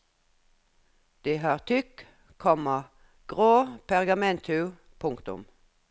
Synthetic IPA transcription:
d̪̥eːhɑːʁt̪ʰʏk | kʰɔmɑ | ɡ̥ʁoːpʰæʁɡɑmɛnt̪ʰʉ | pʰʊŋkt̪ʊ̰m

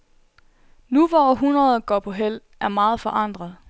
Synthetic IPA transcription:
nuʋɒɦunʁɐð̩ˠɡ̥ɒ̰pʰɒ̽ɦel̰ | æɐmɑ̈ːð̞̩ˠfɒ̽ʔɑ̈n̰d̥ʁɐð̞ˠ

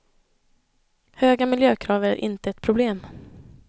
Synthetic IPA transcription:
høːɡamɪljøːkʰɾɑːvəɾæ̰ɾʔɪ̰nt̪əɛt̪pʰɾʊbleːm

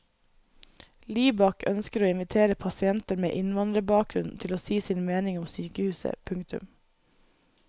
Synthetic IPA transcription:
liːbɑkʰœnskəɾoːɪnʋɪt̪ʰeːɾəpʰɑsɪɛnt̪əɾmḛːʔɪnʋɑnd̪ɾəbɑːk̚ɾʉnn̩t̪ʰɪloːsiːsiːnmeːnɪŋʊmsyːkəhʉːsə̰pʰʉŋkt̪ʉ̰m

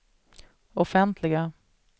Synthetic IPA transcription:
ɔfɛnt̪ʰlɪɡa

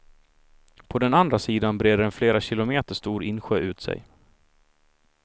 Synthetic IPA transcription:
pʰɔd̪ɛnand̪ɾasiːd̪anbɾeːd̪əɾɛnfleːɾaɕɪlʊmeːt̪əʂt̪uːɾɪnɧøːʔʉ̟ːt̪sɛ̰j

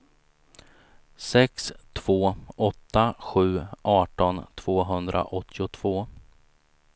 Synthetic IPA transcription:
sɛkst̪ʰv̥oːɔt̪ːaɧʉ̟ːʔɑːʈɔnt̪ʰv̥oːɦɵnd̪ɾʔa̰ʔɔt̪ʰːɪʊt̪ʰv̥oː

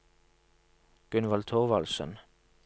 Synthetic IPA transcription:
ɡ̥ʉnʋɑlt̪ʰoʁʋɑlsə̰n

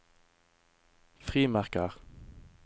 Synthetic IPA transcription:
fʁiːmæʁkəʁ

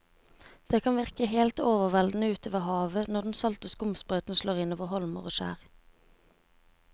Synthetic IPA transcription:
d̪̥eːkʰɑnʋɪʁkəheːlt̪oːʋəʁʋɛld̪n̩əʉːt̪ʰoːʋəʁhɑːʋənɔd̪n̩sɑlt̪əskʊmspʁøːt̪n̩ʃloːʁɪnoːʋəʁhɔlmə̰ʁoːʃæ̰ːʁ

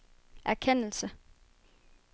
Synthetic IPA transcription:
ʔæɐkʰen̰l̩sə

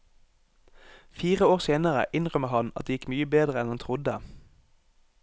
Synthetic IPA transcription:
fiːʁəoːʁseːnəʁə̰ʔɪnʁœməhɑnɑ̰t̪̚d̪eːjɪkmyːəbeːd̪ʁəɛnhɑnt̪ʰʁʊd̪ə

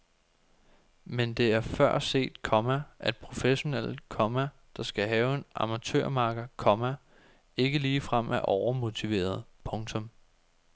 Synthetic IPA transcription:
mend̥e̝æɐfɶɐ̰se̝̰ːd̥kʰɒ̽mæʔæd̥̚pʰʁo̝feɕo̝nel̰̥kʰɒ̽mæ | d̥ɑ̈sɡ̥æɦɛːʊe̝nɑ̈mæt͡sʰø̰ɐ̰mɑ̈ːɡ̥ɐkʰɒ̽mæ | e̝ɡ̥əliːfʁam̰ʔæʔɒʊɐmo̝t͡sʰiʋe̝̰ːɐð̞ˠpʰɔ̽ŋt͡sʰɔ̽m

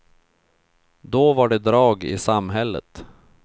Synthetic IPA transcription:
d̪ɔvaɖɛd̪ɾɑːɡɪ̰samɦɛlːə̰t̪

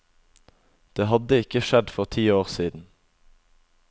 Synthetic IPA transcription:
d̪̥eːhɑd̪əɪkəʃɛd̪fɔʁt̪ʰiːoːʁsiːd̪n̩

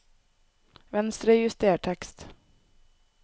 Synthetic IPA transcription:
vɛnst̪ɾɛjɪst̪eːʈʰɛkst̪

